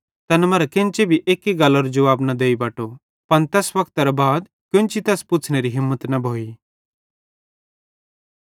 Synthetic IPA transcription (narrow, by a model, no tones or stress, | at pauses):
t̪ɐnmɐɾɛkɪ̃nt͡ʃebʱiʔeːkːiɡɐlːoɾd͡ʒɐʋaːbnɐd̪eːibaːʈo | pɐnt̪ɛːsʋɐkʰt̪ɐɾɐbaːd̪ | kjʊ̃nt͡ʃit̪ɛːspʊt͡sʰɽ̃eɾiɦɪmːət̪nɐbʱoːi